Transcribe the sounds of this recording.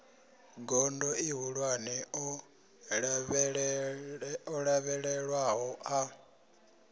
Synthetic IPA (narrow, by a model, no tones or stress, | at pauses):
ɡɔndɔiɦuɺwanɛɔ | βɺ | ɔɺaβɛɺɛɺwaɦɔʔa